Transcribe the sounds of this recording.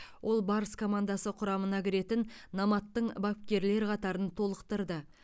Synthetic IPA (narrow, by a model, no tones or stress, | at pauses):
wʔo̞lˠbɑɾəskʰo̞mand̪ɑsəqʰʊɾɑmənɑkʲɪɾe̞t̪ɪnːɑmɑt̪ːəɴbɑp̚kʲe̞ɾle̞ɾqʰɑt̪ɑɾənt̪ʰo̞lˠəqt̪əɾd̪ə